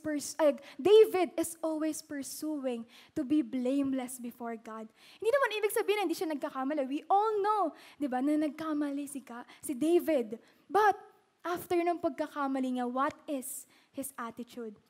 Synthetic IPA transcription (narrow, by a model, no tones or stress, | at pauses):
pɛɹsakd̪ejvɪd̪ɪsʔɔlwɛjspɛɹsuwɪ̃ŋt̪ʊbiblẽjmlɛsbɪfɔɹɡad̪̚ | hɪnd̪inɐmanʔiːbɪɡ̚sɐbiːhɪnhɪnd̪iːʃanɐɡ̚kɐkamɐlɛwiʔɔlnod̪ɪbanɐnɐɡ̚kamɐlɪsɪkasɪd̪ejvɪd̪̚ | bɐt̪̚ | ʔaft̪ɛɹnɐŋpɐɡ̚kɐkamɐliŋawɐt̪̚ɪs | hɪsʔat̪ɪt̪ud̪̚